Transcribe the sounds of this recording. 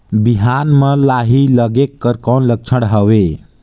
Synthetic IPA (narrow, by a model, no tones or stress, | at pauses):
biɦanmelaɦiləɡekːəɾkənlək̚t͡ʃʰəɽɦəwe